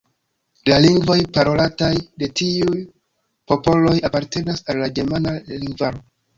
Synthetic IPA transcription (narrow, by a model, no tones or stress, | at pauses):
laliŋɡvo̞jpaɾo̞latajde̞tiuj | po̞po̞lo̞japaɾte̞nasalːaɡe̞ɾmanaliŋɡvaɾo̞